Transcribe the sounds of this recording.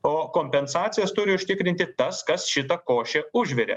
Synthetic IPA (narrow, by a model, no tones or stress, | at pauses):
oːkoːmʲpʲɛnsɑːt̪sʲɪjɛst̪ʊɾʲɪʊʃʲt̪ʲɪkɾʲɪnʲt̪ʲɪt̪ɐskɐsʃʲɪt̪ɐkoːʃʲɛʊʒʲʋʲɛɾʲḛ